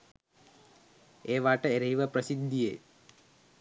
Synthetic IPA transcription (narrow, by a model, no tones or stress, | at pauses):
eʋaːʈəeɾɐɦiʋəpɾɐsid̪ːijeː